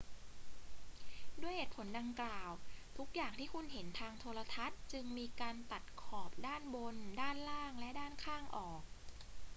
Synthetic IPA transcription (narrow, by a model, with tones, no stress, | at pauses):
du˥˩əjheː˨˩t̪̚pʰo˩˦nda˧ŋklaː˨˩wt̪ʰu˦˥k̚jaː˨˩ŋt̪ʰiː˥˩kʰu˧nɦe˩˦nt̪ʰaː˧ŋt̪ʰoː˧la˧t̪ʰa˦˥t̪̚t͡ɕɯ˧ŋmiː˧kaː˧nt̪a˨˩t̪̚kʰɔː˨˩p̚daː˥˩nbo˧ndaː˥˩nlaː˥˩ŋlɛ˦˥daː˥˩nkʰaː˥˩ŋʔɔː˨˩k̚